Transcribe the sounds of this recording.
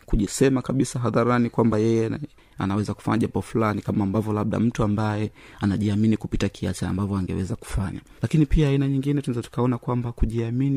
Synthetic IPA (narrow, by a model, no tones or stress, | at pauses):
kuʄisɛmakaɓisaɦaðaɾanikwambajɛjɛ | a̰nawɛzaku̥fa̰ɲaʄapɔfulanikamaːmbavjɔlaɓ̚ɗa̰m̩tuambajɛ | anaʄiaminikupitakʰiat͡ʃa̰ːmbavjɔaŋɡɛ̰wɛzaku̥faɲa̰ | lakinipiaːinaɲiŋɡinɛtunɛzatu̥kaɔnakwambakuʄiamini